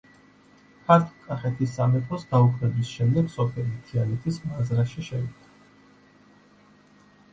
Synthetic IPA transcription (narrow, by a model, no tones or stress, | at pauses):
pʰat̪ʰkʼːaχɛt̪ʰisːamɛt̪ʰɾɔsd̪aukʰɾɛbisʃɛmd̪ɛɡ̥sɔpʰɛlit̪ʰialɛt̪ʰismazɾaʃiʃɛit̪ʰḁ